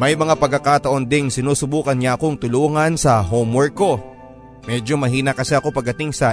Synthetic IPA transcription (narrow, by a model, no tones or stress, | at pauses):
mɐjmɐŋapɐɡ̚ɐkat̪ɐʔo̞nd̪ɪŋsɪnuːsʊbuːkɐnɲaʔɐko̞ŋt̪ʊloːŋɐnsɐɦomwɛɹkːo̞ | mɛd͡ʒo̞mɐɦiːnɐkɐsɛʔɐko̞pɐɡ̚dɐt̪ɪŋsɐ